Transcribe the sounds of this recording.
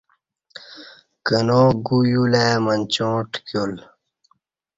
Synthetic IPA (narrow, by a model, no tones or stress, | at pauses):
kənoːɡujuleːmənʲt͡ɕõːʈkjol